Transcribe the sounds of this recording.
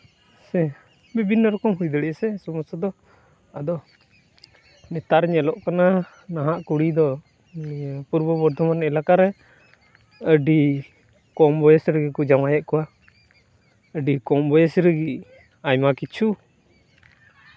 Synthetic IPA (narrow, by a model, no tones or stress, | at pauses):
sɛ | bibinːɔɾɔkɔmɦujd̪əɽɛsɛsɔmɔstɔd̪ɔ | ad̪ɔ | nɛt̪aɾɲɛlɔʔkana | naɦaʔkuɽid̪ɔ | puɾbɔbɔɾd̪ʱɔmanɛlakaɾɛ | əɖi | kɔmbɔjɛsɾəɡikɔd͡ʒamajɛʔkɔwa | əɖikɔmbɔjɛsɾəɡi | ajmakit͡ʃʰu